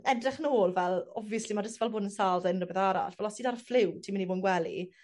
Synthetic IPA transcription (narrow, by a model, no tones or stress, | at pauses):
ɛdrɪχnoːlˠvɛlˠɔviəslimadəstvɛlˠboːdənsaːlˠdaɪnrəbɛθaɾa̰ɬvɛlɔsiːdarflɪwtʰiːmɪniboːnɡwɛlḭ